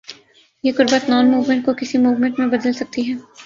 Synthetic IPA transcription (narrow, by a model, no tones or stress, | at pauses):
jeːkʊɾbət̪nɔːnmuːʋmẽɳʈ̚kokɪsimuːʋmẽɳʈmẽbɐd̪əlsɐk̚t̪iɦɛː